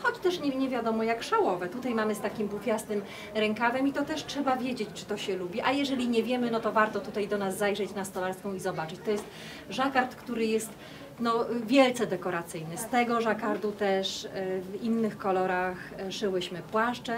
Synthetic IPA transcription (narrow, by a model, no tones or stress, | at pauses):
xɔt͡ɕt̪ɛʂɲɛɲɛvʲjad̪ɔmɔjakʂawɔvɛt̪ut̪ajmamɘst̪akʲimbufʲjasnɘm | ɾɛŋkavɛmit̪ɔt̪ɛʂtʂɛbavʲjed͡ʑet͡ɕt͡ʂɘ̥t̪ɔɕɛlubʲiʔajɛʐɛlʲiɲɛvʲjɛmɘnɔt̪ɔvaɾt̪ɔt̪ut̪ajd̪ɔnazːajʐɛt͡ɕnast̪ɔlaɾskɔ̃w̃izɔbat͡ʂɘt͡ɕt̪ɔjɛst̪ | ʐakaɾt̪kt̪uɾɘjɛst̪ | nɔvʲjɛlt̪sɛd̪ɛkɔɾat̪sɘjnɘst̪ɛɡɔʐakaɾt̪ut̪ɛʂvinːɘxkɔlɔɾaxʂɘwɘɕmɘpwaʂt͡ʂɛ